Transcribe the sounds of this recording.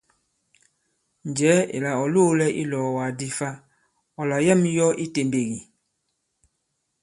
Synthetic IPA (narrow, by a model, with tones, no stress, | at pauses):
n˨d͡ʒɛ˨˦ḛ˨la˨ɔ˨loː˦lɛ˦ʔḭ˦lɔː˨wa˨di˨fa˦ | ɔ˨la˨jɛ˦˨m˦jɔ˦ʔi˦te˨mbe˨ɣi˨